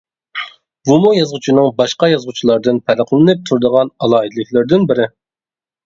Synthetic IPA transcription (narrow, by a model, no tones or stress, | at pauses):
vumujɑzʁʊt͡ʃʰinɨŋbɑʃqɑjɑzʁut͡ʃʰilˠɑɾd̪ɨnpʰæɾəqlˠɨnɨp̚t̪ʰuɾd̪əʁɑnɑlˠɑːɦid̪ɨlˠɨkʲlˠɪɾd̪ɪnbɪɾɪ